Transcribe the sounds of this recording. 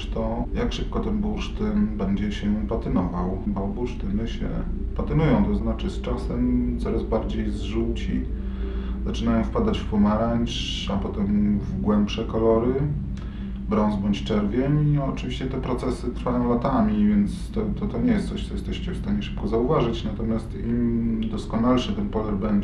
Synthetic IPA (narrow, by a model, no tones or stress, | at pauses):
ʂt̪ɔjakʂɘp̚kɔt̪ɛnbuʂt̪ɘnbɛɲd͡ʑɛɕɛpat̪ɘnɔvawbɔbuʂt̪ɘnɘɕɛ̰pat̪ɘnujɔ̃w̃t̪ɔznat͡ʂɘst͡ʂasɛmt̪sɔɾazbaɾd͡ʑejzʐut͡ɕḭ | zat͡ʂɘnajɔ̃w̃fpad̪at͡ɕfpɔmaɾaɲʲt͡ʂ | apɔt̪ɛmvɡwɛmpʂɛkɔlɔɾɘ | bɾɔ̃ñzbɔɲt͡ɕt͡ʂɛɾvʲjɛmiɔt͡ʂɘvʲiɕt͡ɕɛt̪ɛpɾɔt̪sɛsɘt̪ɾfajɔ̃w̃lat̪amʲivʲjɛnt̪st̪ɔt̪ɔt̪ɔɲɛjɛst̪sɔɕt̪ɔjɛst̪ɛɕt͡ɕɛfst̪aɲɛʂɘ̥p̚kɔzauvaʐɘt͡ɕnat̪ɔmʲjast̪imd̪ɔskɔnalʂɘt̪ɛnpɔlɛɾbɛɲd͡ʑ